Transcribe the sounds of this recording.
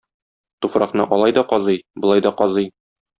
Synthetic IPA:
t̪ufɾɑqnɤ̰ʔɒlˠɑjd̪ɒqɒzɤjbŏlˠɑjd̪ɒqɒzɤj

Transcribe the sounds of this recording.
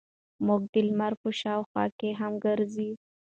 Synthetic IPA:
mʊɡ̚d̪ɪlmaɾpəʃɑwxwɑ̰keɦamɡəɾzi

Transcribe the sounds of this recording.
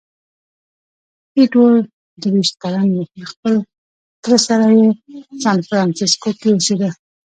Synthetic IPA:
iʈwol | d̪ɾwiʃt̪̚kalanjeəxpəl | t̪əɾəsaɾajesɑnfɾɑnsɪskokewosed̪a

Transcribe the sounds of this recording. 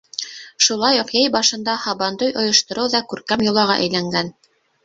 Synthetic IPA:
ʃulˠɑjuqjæjbɑʃɤ̆nd̪ɑhɑβɑnd̪ojʔŏjŏʃt̪ŏɾɤwðɑkʉɾkæmjŏlˠɑʁɑ̰ʔæ̰jlæŋɡæn

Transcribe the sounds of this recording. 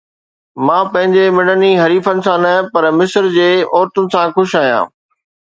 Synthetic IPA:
mãːpɐ̃ɦɪ̃ɲd͡ʑemɪ̃ɽəniɦɐɾiːfənɪ̆sãnɐpɐɾmɪsəɾd͡ʑeːɔːɾt̪ʊnɪ̆sãxʊʃaːijã̰ː

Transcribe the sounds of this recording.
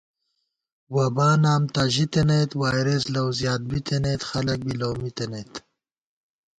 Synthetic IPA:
wabaːnaːmt̪aʒit̪enejt̪waːjɾeslawzjɑːt̪̚bit̪ʰenet̪xɐlɐk̚biloːmit̪enet̪

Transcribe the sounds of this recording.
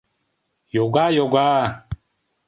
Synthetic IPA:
joɡajoɡa

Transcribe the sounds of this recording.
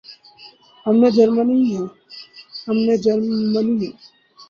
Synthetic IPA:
əmned͡ʒəɾməniɦɛ̃ | əmned͡ʒəɾməniɦɛ

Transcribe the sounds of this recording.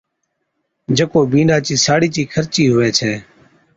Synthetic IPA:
d͡ʒəkoːbĩːnɖaːt͡ʃiːsaːɽiːt͡ʃiːkʰəɾt͡ʃiːɦʊʋeːt͡ʃʰɛː

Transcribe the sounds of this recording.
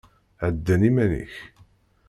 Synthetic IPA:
ʕəd̪ːænimænḭç

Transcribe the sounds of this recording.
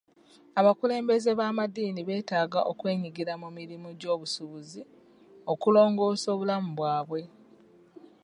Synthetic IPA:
aβakule̞ːmbe̞ze̞βaːmadiːniβe̞ːtaːɡa̰ʔo̞kwe̞ːɲiɡiɾamumiɾimuɟo̞ːβusuβuzi | o̞kulo̞ːŋɡo̞ːso̞ːβulamuβwaːβwe̞

